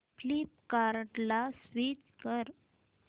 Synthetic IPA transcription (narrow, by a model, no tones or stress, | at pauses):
flipkaɾʈlasʋit͡skəɾ